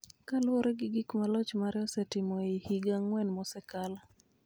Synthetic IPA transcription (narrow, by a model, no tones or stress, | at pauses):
kalʊoɾɛɡɪɡikmalɔt͡ʃmaɾɛɔsɛtɪmɔihiɡaŋːwɛnmɔsɛkala